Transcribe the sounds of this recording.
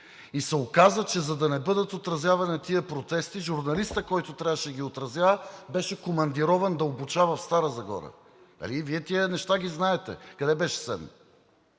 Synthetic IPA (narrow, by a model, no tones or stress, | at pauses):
isɛokazət͡ʃɛzɐd̪ɐnɛbɤd̪ɐt̪ot̪ɾɐzjavɐnɐt̪iəpɾot̪ɛst̪iʒuɾnɐlist̪əkɔjt̪ot̪ɾʲavəʃɛɡʲiot̪ɾɐzjabɛʃɛkomɐnd̪iɾɔvɐnd̪ɐobut͡ʃavɐfst̪aɾəzɐɡɔ̰ɾə̰ | d̪ɐ̰liviɛt̪iənɛʃt̪aɡiznaɛt̪ɛ̰kɐd̪ɛbɛʃɛ̥sɛ̰dnː